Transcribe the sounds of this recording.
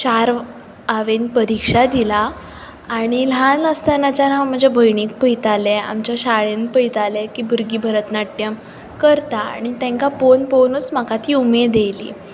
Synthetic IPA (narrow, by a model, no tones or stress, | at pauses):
t͡ɕaɾ | aʋenpəɾikʂad̪ilaː | ɽ̃ilanəst̪anat͡ɕanam̤əɳd͡zebʱəjɳiːk̚pəjt̪alea̰mt͡ɕjaɕaɭẽnpəjt̪alekiːbʱuɾɡiːbʱəɾət̪naʈ̪ːjəm | kəɾt̪aa̰ɽ̃it̪ẽŋkaponponət͡sm̤akat̪ʰiːumed̪elḭ